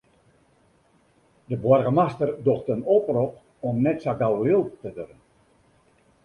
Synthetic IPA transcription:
dəbwɔrɣəmastərdoxtənoprɔp | ɔmnɛtsaɡalˠlɪlˠtədørən

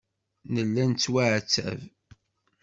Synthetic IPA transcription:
nəlːænt͡sːwaʕt͡sːæ̰v

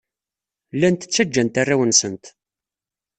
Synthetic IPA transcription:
lːænt̪ə̥t͡sːæd͡ʒːænt̪arːawənsənt̪

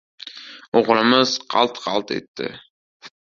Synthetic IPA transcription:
oʁɾɪmɪz̥qʰɑ̰lˠt̪qʰɑlˠt̪ʰḛt̪ʰːɪ̰

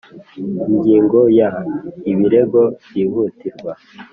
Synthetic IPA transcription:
iɲɡiːŋɡo̞jaiβiɾe̞ɡo̞bjiβutiɾɡwa

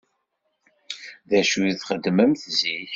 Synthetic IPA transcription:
ðæʃujiθχəd̪ːməmθziç

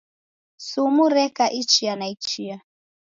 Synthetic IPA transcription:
sumuɾɛkaʔit͡ʃianait͡ʃia

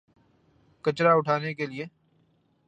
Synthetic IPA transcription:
kɐt͡ʃɾaʊʈʰaːnekelieː

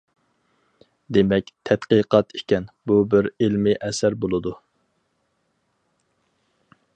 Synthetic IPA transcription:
d̪emɛk̚ʲt̪ʰɛt̪qəqʰɑt̪i̥kʲɛnbubɪɾilmɪʔɛsæɾbolˠɨd̪u

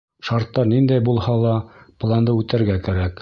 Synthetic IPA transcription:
ʃɑɾt̪ːɑɾnind̪æjbulˠhɑlˠɑplˠɑnd̪ɤʉt̪æ̆ɾɡækæɾæk

